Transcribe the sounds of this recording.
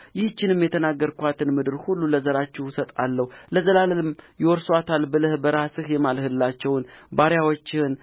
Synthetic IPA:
jɪht͡ʃːɪnɨmjɛt̪ʰənaɡːəɾkʷat̪ʰɨnmɨd̪ɨɾhulːuləzəɾat͡ʃːɛwsət̪ʼalːəhwləzəlaləlɨmjɪwɔɾswat̪ʰalbɨlɨhbəɾasɨhjɛmalhɨlːat͡ʃːɛwnbaɾjawot͡ʃːɪɨn

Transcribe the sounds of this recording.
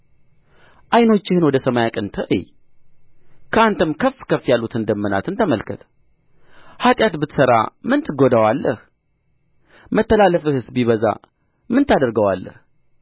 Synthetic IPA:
ʔajno̞t͡ʃːɪhɨnwɔd̪əsəmajakʼɨnt̪ʰəʔɨ̰j | kʰəant̪ʰəmkʰəfːkʰəfːjalːut̪ɨnd̪əmːəna̰t̪ɨnt̪ʰəməlkʰət̪ʰ | hat̪ʼjat̪bɨt̪səɾa̰mɨnt̪ʰɨɡod̪awalːəh | mət̪ːəlalːəfɨhɨsbiβəza̰ | mɨnt̪ʰad̪əɾɡəwa̰lːə̰h

